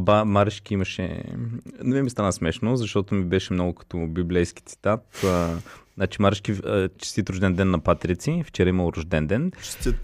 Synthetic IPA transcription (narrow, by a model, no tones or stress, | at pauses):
bamaɾəʃkʲiimɐʃɛ̰ | nɛvɛmist̪anəsmɛʃnozɐʃt̪ɔt̪omibɛʃɛmnoɡʊkɐ̥t̪ɔbiblɛjsk̟it̪si̥t̪at̪ː | nat͡ʃimaɾəʃkʲit͡ʃi̥st̪it̪ɾʊʒd̪ɛnd̪ɛnːɐpat̪ɾit̪sift͡ʃɛɾaiməlˠɾʊʒd̪ɛnd̪ɛnʃt̪ʲɛ